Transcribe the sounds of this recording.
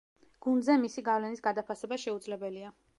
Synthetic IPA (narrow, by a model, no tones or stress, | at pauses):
ɡ̥und̪zɛmisiɡavlɛnisɡad̪apʰasɛbaʃɛud̪zlɛbɛlia